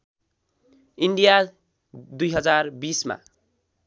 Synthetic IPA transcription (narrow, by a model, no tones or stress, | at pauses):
iɳɖija | d̪ujɦʌd͡zarbisma̰